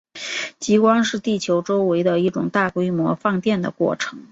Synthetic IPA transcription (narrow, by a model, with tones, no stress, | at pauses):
t͡ɕi˧˥kwɑ˥ŋʂɻ̩˥˧t̪i˥˩t͡ɕʰjo˧˥ʊʈ͡ʂo˥ʊwe˧˥ɪd̪ə˧i˥˩ʈ͡ʂʊ̰˨˩ŋt̪a˥˩kwe˥ɪmwɔ˧˥fɑ˥˧ŋt̪jɛ˥˩nd̪ə̰˩kwɔ̰˥˩ʈ͡ʂʰɤ˧˥ŋ